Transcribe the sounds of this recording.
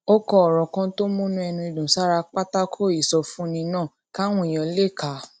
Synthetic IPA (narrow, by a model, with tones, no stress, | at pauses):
o˦kɔ˧ɔ˨ɾɔ˨kã˧to˦mũ˦nũ˦ɛ˧nũ˧i˧˨dũ˨sa˦ɾa˧k͡pa˦ta˦kʰo˦˨i˨sɔ˧fũ˦nĩ˧nãː˦˨ | ka˦w̃ũ˦˨j̃ɔ̃˧le˦˨ka˨˦